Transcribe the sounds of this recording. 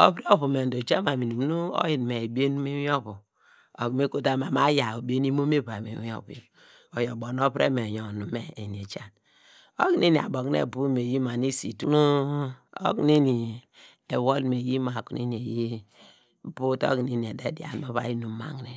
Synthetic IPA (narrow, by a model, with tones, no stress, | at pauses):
o˦pɾe˦o˦pu˨me˨n˨do˨t͡ʃa˦ma˨mi˨nu˨m˦nu˦o̰˦ji˨n˨me˨bi˦e˦nu˦me˦wi˦o˦βu˨ | o˨kme˦ko˦ta˦ma˨ma˦ja˨o˨be˦ni˦mo˦me˦ba˨mḛ˨wi˦o̰˦b | o˨jo˨bo˨n˦o˦pɾḛ˦me˨jo˨nu˨me˨e˨ni˨e˨t͡ʃa˦n | o˦kne˦ni˨a̰˨bo˨knḛ˨bu˦me˨ji˦ma˨ni˦si˨tu˦nu˦o̰˦kne˦ni˨ | e˨wo˦lme˨ji˦ma˨ku˦nḛ˦ni˨e˨ji˦ | pu˦to̰˦kne˨ni˨e˨de˦di˨a̰˨no˦βa̰˨˦ji˦nu˨ma̰˨ŋ˨ne˨